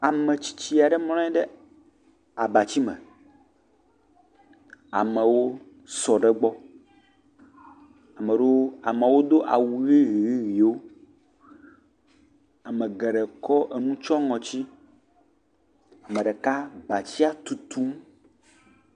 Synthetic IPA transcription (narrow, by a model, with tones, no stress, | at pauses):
a˨mɛ̃˨t͡ɕi̥˦t͡ɕi˦a˨ɖɛ˦ml̃ɔ̃˦ɛ˦ɖɛ˦ | a˨ba˨t͡ɕi˦mɛ̰̃˨ | a̰˨mɛ˨wo˦ | sɔ˨ɖɛ˦ɡ͡bɔ˦ | a˨mɛ̃˨ɖo˦a̰˨me˨wo˦d̪o˦ʔa̰˨wu˨ɣi˦ɣi˨ɣi˦ɣi˨o˦ | a˨mɛ̃˨ɡɛ˨ɖɛ˨kɔ˦ʔe˨nũ˦t͡ʃɔ˦ŋɔ̃˨t͡ɕi˦ | a˨mɛ̃˨ɖɛ˨ka˦ba˨t͡ɕi˦a˦t̪u˨t̪u˦m